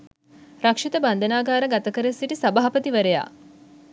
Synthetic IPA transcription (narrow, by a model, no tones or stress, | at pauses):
ɾakʂit̪əband̪ənaːɡaːɾəɡat̪ɐkəɾesːiʈisɐbaːpət̪iʋəɾeja̰ː